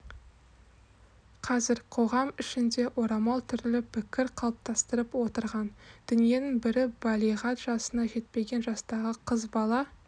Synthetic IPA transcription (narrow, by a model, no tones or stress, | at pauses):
qʰɑzɪɾqʰo̞ʁɑmɪʃɪnd̪e̞ʔo̞ɾɑmɑlˠt̪ʰʏɾlɪpʰɪkʲɪɾqʰɑlˠəp̚t̪ɑst̪əɾəpwo̞t̪əɾʁɑnd̪̥ʏnije̞nɪŋbɪɾɪbɑlʲˠiʁɑt̪ʒ̥ɑsənɑʒe̞t̪̚pe̞ɡʲe̞nʒɑst̪ɑʁəqʰəzbɑlˠɑ